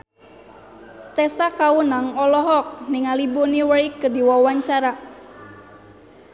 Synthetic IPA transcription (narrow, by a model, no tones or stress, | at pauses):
t̪ɛsakaunaŋɔlɔɦɔk̚niŋalibuniwəikːɨrdiwawaɲt͡ʃaɾa